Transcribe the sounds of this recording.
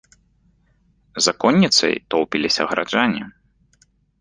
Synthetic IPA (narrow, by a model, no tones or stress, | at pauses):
zakɔnʲːit̪sɐ̰jt̪ɔwpʲilʲisʲɐ̰ɣɾa̰d͡ʐanʲːḭ